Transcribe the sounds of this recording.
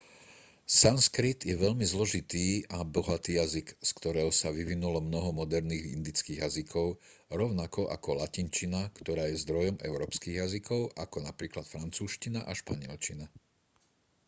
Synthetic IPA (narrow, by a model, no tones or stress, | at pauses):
sanskɾit̪jɛʋɛʎmizlɔʒit̪iːabɔɦat̪iːjazikskt̪ɔɾɛːɦɔsaʋiʋinulɔmnɔɦɔmɔd̪ɛɾniːɣḭnd̪it͡skiːɣjazikʰɔʊ | ɾɔʊnakɔʔa̰kɔlacint͡ʃinakt̪ɔɾaːjɛzd̪ɾɔjɔmɛ̰ʊɾɔːpskiːɣjazikʰɔʊʔakɔnapɾiːklat̪fɾant͡suːʃcinaʔaʃpaɲɪɛlt͡ʃina